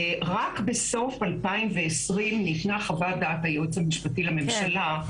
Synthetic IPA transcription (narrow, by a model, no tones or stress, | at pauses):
ʁakbeso̞falpaimve̞esʁimnitnaχavad̪atajut͡shamiʃpatilame̞mʃala